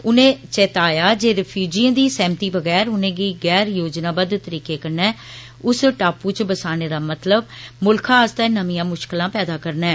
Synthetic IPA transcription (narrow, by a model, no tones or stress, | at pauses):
ʊnẽːt͡ʃɛːt̪aːjaːd͡ʒeːɾəpʰjuːd͡ʒiãːd̪iːsɛːmt̪iːbəɡɛːɾʊnẽːɡiːɡɛːɾjoːd͡ʒnãːbəd̪t̪əɾiːkeːkəɾnɛː | ʊsʈaːpuːt͡ʃbəsaːneːd̪aːmət̪ləb̚mʊlkʰãːst̪ɛːnəmijãːmʊʃkəlãːpɛːd̪aːkəɾnɛː